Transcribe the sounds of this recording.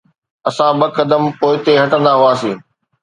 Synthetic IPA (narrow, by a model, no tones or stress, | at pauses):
ɐsãbɐkɐd̪əmpoːɪt̪eɦɐʈə̃nd̪aɦuaːsĩː